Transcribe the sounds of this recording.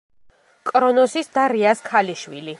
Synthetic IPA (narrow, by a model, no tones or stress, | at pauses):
kʼɾɔnɔsisd̪aɾiaskʰaliʃwḭli